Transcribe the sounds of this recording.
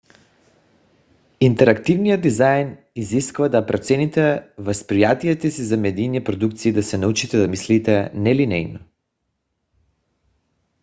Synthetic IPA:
int̪ɛɾakt̪ivnijəd̪izajn | iziskvad̪apɾat̪sɛnit̪ɛvaspɾijat̪ijɛt̪ɛsizamɛd̪iniɛpɾod̪ukt̪siːd̪asɛnaut͡ʃit̪ɛd̪amislit̪ɛnɛlinɛ̰jnɔ

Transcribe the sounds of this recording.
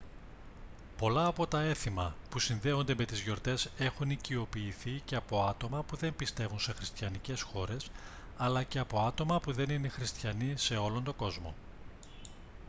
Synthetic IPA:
po̞lɐːpo̞t̪ɐe̞θimɐpusinðe̞o̞nd̪e̞me̞t̪izʝo̞ɾt̪e̞se̞xunicio̞piːθiceɐpo̞ɐt̪o̞mɐpuðe̞mpist̪e̞vunse̞xɾist̪çɐnice̞sxo̞ɾe̞s | ɐlɐce̞ɐpo̞ɐt̪o̞mɐpuðe̞nine̞xɾist̪çɐnise̞o̞lo̞nt̪o̞ɡo̞zmo

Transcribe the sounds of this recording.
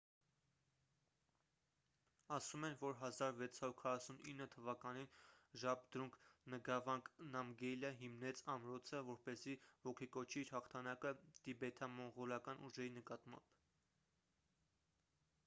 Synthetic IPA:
ɑsumɛnvɔɾɦɑzɑɾvɛt͡sʰɑɾuɾkʰɑrɑsuninːət̪ʰəvɑkɑninʒɑb̚d̪̥ɾuŋkʰnəɡɑvɑŋknɑmɡɛjləɦimnɛt͡sʰɑmɾɔt͡sʰəvɔɾpɛzivɔkʰikɔt͡ʃʰiiɾhɑχt̪ʰɑnɑkət̪ibɛt̪ʰɑmɔɴʁɔlɑkɑnuʒɛɾinəkɑt̪mɑ̰mb̥

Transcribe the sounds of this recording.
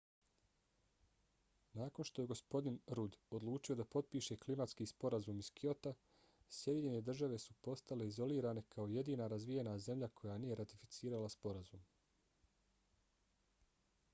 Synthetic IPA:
naːko̞nʃt̪o̞je̞ɡo̞spo̞d̪inɾud̪o̞d̪lˠuːt͡ʃio̞d̪apo̞t̪̚piːʃe̞klimat̪skiːspo̞ɾazuːmiskio̞t̪a | sjed̪ʲiɲene̞d̪r̩ʒaʋe̞supo̞st̪ale̞izo̞liːɾaːne̞kʰao̞je̞d̪iːnaɾazʋije̞naze̞mʎʲakʰo̞janije̞ɾat̪ifi̥t̪siːɾalaspo̞ɾazṵːm

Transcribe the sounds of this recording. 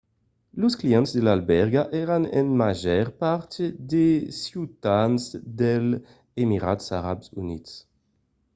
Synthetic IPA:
loskliɛ̃nt̪sd̪elalbɛʁɡaʔɛɾanḛnmaʒɛʁpaʁt̪ed̪esjut̪ansd̪el | emiʁa̰t̪saʁabsunit̪s

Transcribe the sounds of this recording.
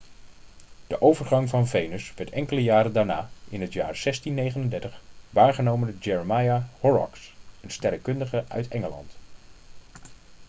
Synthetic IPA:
d̥əʔowvəɹχɑŋvɑnvejnəsʋɛɹtɛŋkələjaːɾəndaːɹnaːʔɪnɦətja̰ːɹz̥ɛstinːejχənəndɛɹtəχʋaːnχənowməndəd͡ʒɛɹəmajahɔɹɑ̰ksənstɛrəkɵndəχəʔœ̰ɥtɛŋəlɑ̰nt

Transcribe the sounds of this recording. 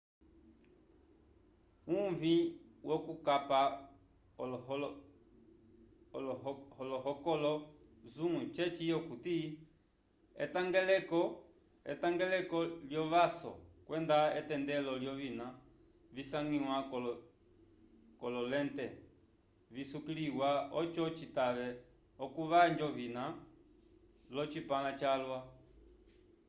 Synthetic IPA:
uɱviwɔkukapa | ɔlɔhɔlɔɦɔkɔlɔzuŋut͡ʃɛt͡ʃijɔkuti | ɛ̰taŋɡɛlɛɔ | ɛ̰taŋɡɛlɛkɔljɔβasɔ̰kwʔɛndaɛtɛndɛlɔljɔβina | visaŋiwakɔlɔ | kɔlɔlɛntɛ | visukiliɣwaɔt͡ʃɔt͡ʃitaβɛ | ɔkuʋaɲd͡ʒɔβina | lɔt͡ʃipalat͡ʃalwa

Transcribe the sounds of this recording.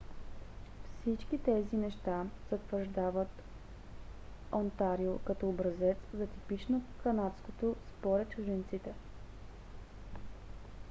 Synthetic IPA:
fsit͡ʃkit̪ɛzinɛʃt̪az̥ɐt̪vəɾʒd̪avət̪ | ont̪aɾiokɐt̪ɔːbɾɐzɛt̪szɐt̪ipit͡ʃnokɐnat̪skot̪ospoɾɛt̪̚t͡ʃʊʒɛnt̪sit̪ɛ

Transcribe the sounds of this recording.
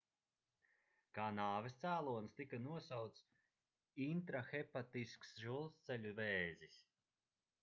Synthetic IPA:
kaːnaːvest̪sæːlˠuɔnst̪ikanuɔsawt̪s | int̪ɾaxɛpat̪isksʒulˠst̪sɛlʲuvɛːzis

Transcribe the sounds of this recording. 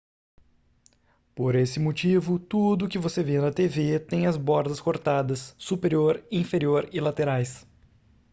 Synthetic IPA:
poɾesɪmot͡ʃivʊt̪ud̪ʊːkɪvosevẽnɐt̪evet̪ẽj̃ɐzbɔɾd̪ɐskoɾt̪ad̪ɐsːupeɾioɾĩfeɾioɾɪlat̪eɾajs

